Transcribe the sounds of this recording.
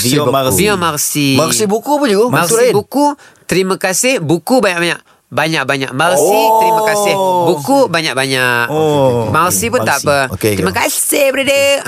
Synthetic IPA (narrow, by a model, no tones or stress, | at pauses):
abijɔmarsimasibukupʊd͡ʒuɡommaibuku | t̪əɾiməkasɪhbukubaɲaʔ̚baɲaʔ | baɲak̚baɲa̰ʔmarsit̪əɾimakasɪhbukubaɲaʔ̚baɲaʔmarsipʊnt̪aʔpətəɾiimakassɪhbəɾadə